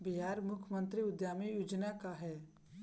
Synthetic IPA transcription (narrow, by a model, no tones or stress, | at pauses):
biɦaːɾmʊkʰəmə̃nt̪ɾiʊd̪jaːmijuːd͡ʒnakaɦɛː